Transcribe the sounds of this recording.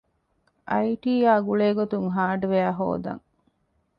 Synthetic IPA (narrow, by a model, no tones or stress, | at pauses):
ʔɐjʈiːjaːɡuɭeːɡot̪uŋɦaːɖuʋeæːɦo̰ːd̪ɐ̰ŋ